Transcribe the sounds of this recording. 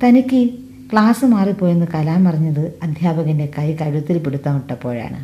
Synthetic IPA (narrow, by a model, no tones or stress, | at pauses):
t̪ɐnikʲːɨ | kɭaːsɨmaːripo̞ːjunːɨkɐlaːmpɐrɐɲːɐðɨɐd̪ʱjaːbɐɣɐnde̞kɐjkɐɻut̪ːilpiɽut̪ːɐːmiʈːɐpːo̞̰ːɻa̰ːɳɨ̰